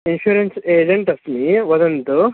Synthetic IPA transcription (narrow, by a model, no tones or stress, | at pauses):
inɕuɾenseːd͡ʒɐɳʈɐsniʋɐd̪ɐnt̪u